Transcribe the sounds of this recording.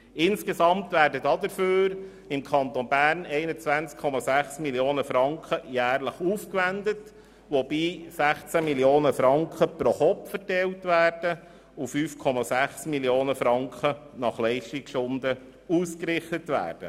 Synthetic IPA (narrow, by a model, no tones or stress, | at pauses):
ɪnskesɑmt̪ʋæːɾdədɑd̪əɾføːɾ | ɪmkʰɑnt̪onbæːɾnɛɪnət͡sʋænt͡skʰːɔmɑsæχsmiljoːnəfɾɑŋkχəjæːɾləχuːfkʋænd̪ət | ʋob̥iːsæχt͡sæmiljoːnəfɾɑŋkχəpɾoχɔpfəɾtɛltʋæːɾd̥ə | ufyːfkʰɔmɑsæχsmiljoːnəfɾɑŋkχənɑχlɛɪʃtikʃʊnd̪ə | uːskɾɪχtətʋæ̰ːɾd̥ə̰